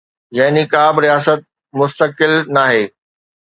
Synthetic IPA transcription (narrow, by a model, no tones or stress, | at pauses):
jaɦnikaːbɾijaːsət̪̚ | mʊst̪əkɪlnaːɦeː